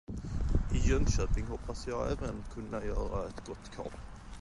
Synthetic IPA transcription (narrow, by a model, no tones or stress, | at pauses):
ɪjœŋɕøːpɪŋɦɔpʰːasjɑːɡɛ̰ːvənkʰɵnːajœːɾaɛt̪ɡɔt̪ːkʰɑ̰ːp